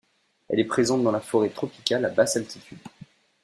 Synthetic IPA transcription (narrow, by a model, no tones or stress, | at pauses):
ɛ̰lɛpχezɑ̃t̪̚d̪ɑ̃lafɔʁet̪χɔpi̥kʲalabasalt̪it̪ʰyd̪